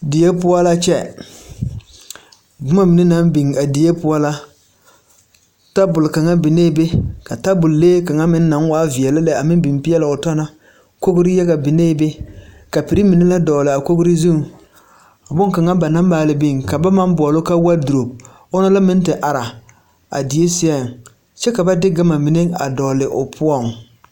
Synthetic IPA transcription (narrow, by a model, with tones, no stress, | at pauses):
di˨je˦pʊ˦a˦la˦t͡ʃɛ̰˦ | dʊ˦ma˦mɪ˨nɪ˦na˦mbi˨ŋa˨di˨je˦pʊ˦a˦la˦ | ta˦bʊ˨lka˨ŋa˦bi˨ne˦be˦ka˨ta˦bʊ˨lleː˦ka˨ŋa˦mɪ˦nː˦a˨˦ŋ˦waː˦vi˨ɛ˨lɪ˦lɛ˦a˨mɪ˦n˦bɪ˨m˦pi˦ɛ˦lɪ˨ʊ˨tɔ˦na˦ | ko˦ɡʊ˦ɾɪ˦jɛ˦ɡa˨bɪ˨neː˦be˦ | ka˨pi˨ɾi˦mi˨ne˦la˦dɔː˨lɪ˨a˨ko˦ɡɾɪ˦zu˦ŋ | a˨bʊ˦ŋ˦ka˨ŋa˦ba˨na˦mbaː˨lɪ˨bi˦˨ŋka˨ba˦ma˦mbɔ˨lo˦ka˦wa˦du˨ɾo˨b̚ | ʊ˦na˦la˦mɪ˦n˦tɪ˨ʔa˨ɾa˨ | a̰˨di˨e˦si˦ɛ˦˨ŋ | t͡ʃɛ˦ka˨ba˦dɪ˦ɡa˦ma˨mi˨ne˦a̰˨dɔː˨lɪ˨ʔʊ̰˨pʰʊ˦ɔ˦˨ŋ